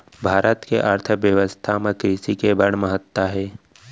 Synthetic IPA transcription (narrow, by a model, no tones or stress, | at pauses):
bʱaːɾʔət̪keʔəɾt̪ʰəʋjəʋəst̪ʰamə̃kɾiːsikebəɽ̃məɦət̪ːaɦɛː